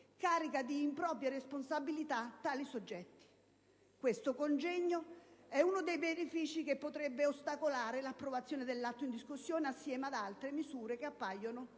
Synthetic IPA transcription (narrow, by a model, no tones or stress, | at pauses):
kaːɾikad̪iːmpɾɔːpɾjaresponsabilit̪at̪ːaːlisod͡ʒːɛt̪ːi̥ | kwest̪okond͡ʒɛɲːoɛunod̪ejvenifiːt͡ʃikepːot̪ɾɛbːeost̪akolaːɾelapːɾovat̪sːjoːned̪elːat̪ːoind̪iskusːjoːneasːjɛːmad̪alt̪ɾemizuːɾekeapːajːonʊ